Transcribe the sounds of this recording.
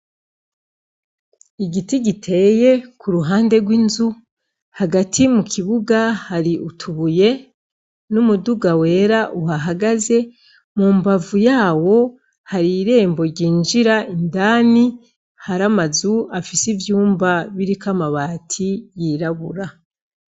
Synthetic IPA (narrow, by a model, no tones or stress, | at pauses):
iɟitiɟitʰe̞je̞kʰuɾuɦaːnde̞ɡwinzu | haɡatʰimukʰiβuɡahaɾiʔutʰuβuje̞ | numuduɡawe̞ːɾaʔuɦaɦaɡaze̞ | mumbavujaːwo̞ | haɾiɾe̞ːmbo̞ɾɟiːnʒiɾaindaːni | haɾamazuafisivjuːmbaβiɾikamaβaːtʰijiɾaβuɾa